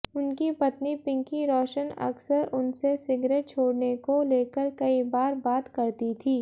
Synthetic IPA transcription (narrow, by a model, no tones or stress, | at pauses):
ʊnkipɐt̪nipɪ̃ŋkiɾɔːʃənɐ̰ksəɾʊnsesɪɡɾeːʈ̚t͡ʃʰoːɽnekoleːkəɾkɐibaːɾbaːt̪kɐɾt̪it̪ʰiː